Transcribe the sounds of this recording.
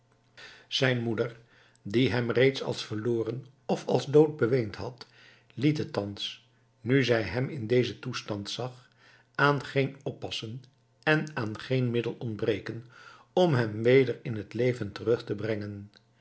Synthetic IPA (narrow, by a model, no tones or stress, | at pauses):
z̥ɛjnmudəɹ | diɦɛmrejtsɑ̰lˠsfəloːrən | ɔfɑ̰lˠzdowd̚bəʋejntɦɑt | litɦətːɑns | nyzɛjɦɛmɪndejzətustɑntsɑχ | aːnχenɔpːɑsən | ɛnaːnχejnmɪdəlˠɔndbrejkən | ɔmɦɛmʋejdəɹɪnɦətlejvəntərɵχtəbrɛŋən